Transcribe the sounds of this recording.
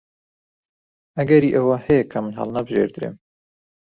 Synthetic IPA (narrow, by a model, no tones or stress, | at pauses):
ʔɐɡɐɾiʔɐwɐhɛjɛkʰɐmɨnɦɐ̰lˠnɐbɨʒḛɾd̪ɨɾḛm